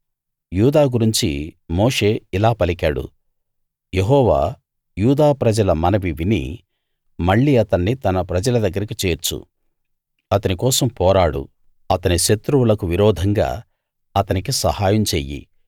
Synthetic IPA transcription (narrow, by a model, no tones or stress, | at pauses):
juːd̪aːɡuɾiɲt͡ʃḭmoːʂe̞ːilaːpɐlikaːɽṵ | je̞ɦɔːʋa̰ː | juːd̪aːpɾɐd͡ʒɐlɐmɐnɐʋiʋinḭ | mɐɭːiɐt̪ɐnːit̪ɐnɐpɾɐd͡ʒɐlɐd̪ɐɡːɐɾikit͡ʃe̞ːɾt͡ʃːṵ | ɐt̪ɐnikɔːsɐmpɔːɾaːɽṵ | ɐt̪ɐniʃet̪ɾuwulɐkuʋiɾɔːd̪ʱɐŋɡa̰ː | ɐt̪ɐnikisɐhaːjɐmt͡ʃeːjḭ